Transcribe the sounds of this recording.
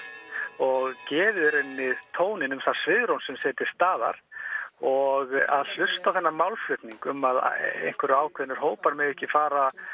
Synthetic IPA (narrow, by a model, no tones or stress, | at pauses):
ɔɣcɛːvɪðɾenmːɪðt̪ʰoːwnɪnʏmθḁsvɪðɾownsɛmsɛːt̪ɪɾ̥st̪aːða̰ɾ̥ɔɣa̰ðl̥ʏst̪awθɛnːaɾmawlflʏht̪niŋkʏmað̰ḛjn̥kvɛɾʏaːwkʰɛnːʏɾ̥ɦoːwpaɾmɛðɛhcɪfaːɾa